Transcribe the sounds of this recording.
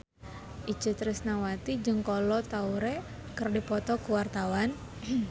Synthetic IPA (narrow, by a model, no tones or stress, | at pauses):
ʔit͡ʃət̪ɾɪsnawat̪id͡ʒɨŋkɔlɔt̪auɾe | kərdipɔt̪ɔkuwart̪awan